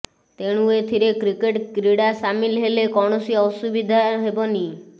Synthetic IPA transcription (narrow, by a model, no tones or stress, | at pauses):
t̪eɽ̃ũet̪ʰiɾekɾikeʈkɾiɽasamilɦelekɔɽ̃ɔsiɔsubid̪ʱaɦebɔni